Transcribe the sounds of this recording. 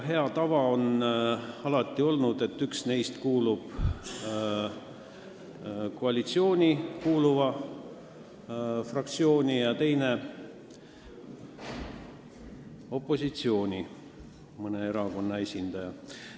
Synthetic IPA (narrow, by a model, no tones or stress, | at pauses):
ɦe̞ɑt̪ɑvɑo̞n | ɑlɑt̪ːˑio̞lnud̪̥e̞t̪ːyksne̞jst̪kuːlub̥ | koɑlʲit̪sio̞ːnʲikuːluvɑ | frɑk̚t̪sio̞ːnʲijɑt̪e̞jne̞ | o̞pːˑo̞sit̪sio̞ːnʲi | mɤne̞e̞ɾɑko̞nːɑe̞sʲind̪̥ɑjɑ